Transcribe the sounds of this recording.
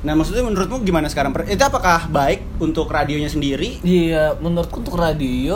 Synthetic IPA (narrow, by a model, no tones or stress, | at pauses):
nahmak̚sʊt̪ɲmənuɾʊt̪̚muɡimanasə̥kaɾaŋpərit̪uapakahbaɪk̚unt̪ʊkradioɲasəndiɾiiamənuɾʊt̪̚kunt̪ʊkradio